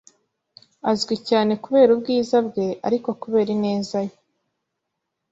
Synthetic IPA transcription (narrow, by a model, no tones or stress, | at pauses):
azɡwicaːne̞kuβe̞ːɾubɡiːzabɡe̞ʔa̰ɾiko̞kuβe̞ːɾine̞ːzajo